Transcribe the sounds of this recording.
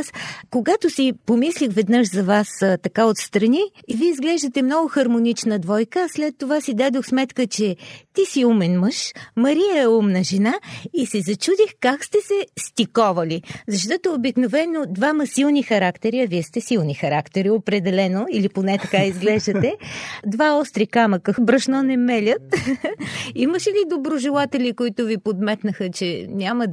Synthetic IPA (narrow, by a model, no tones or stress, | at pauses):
skoɡat̪osipomislʲixvɛd̪nɤʃzɐvast̪ɐkaot̪st̪ɾɐniviizɡlɛʒd̪ət̪ɛmnɔɡʊxɐɾmonit͡ʃnəd̪vɔjkəːslɛt̪ːovasid̪ad̪oxsmɛt̪kət͡ʃɛt̪isiumɛnməʃmɐɾiəɛumnəʒɛnaisɛzɐt͡ʃud̪ixkakst̪ɛsɛst̪ʲikɔvɐlizɐʃt̪ɔt̪oːbiknovɛnod̪vamɐsilˠnixɐɾakt̪ɛɾiɐviɛst̪ɛsilˠnixɐɾakt̪ɛɾiopɾɛd̪ɛlɛnoiliponɛt̪ɐkaizɡlɛʒd̪ət̪ɛd̪vaɔst̪ɾikamɐkəbɾɐʃnɔnɛmɛlʲət̪ | iməʃɛlid̪obɾoʒɛlˠat̪ɛlʲikoit̪ʊvipod̪mɛt̪nəxət͡ʃɛnʲaməd̪